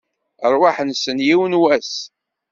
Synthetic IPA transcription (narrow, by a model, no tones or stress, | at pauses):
əɾˤwaħənsənjiwənwæs